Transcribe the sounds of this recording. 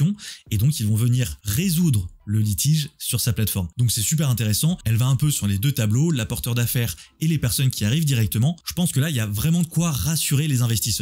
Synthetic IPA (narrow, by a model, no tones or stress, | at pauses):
ɔ̃ed̪ɔ̃kilvɔ̃vəniʁːezud̪ʁələlit̪ʰiʒsyʁsaplat̪fɔʁmd̪ɔ̃ksɛsyp̬ɛʁɛ̃t̪eʁɛsɑ̃ɛlvaɛ̃pøsyʁled̪øt̪ablolapɔʁt̪œʁd̪afɛːʁ | elepɛʁsɔnkʲiaʁivd̪iʁɛk̚t̪əmɑ̃ʒ̥əpɑ̃skəlailjavʁɛmɑ̃d̪əkwaʁasyʁelezɛ̃vɛst̪isœ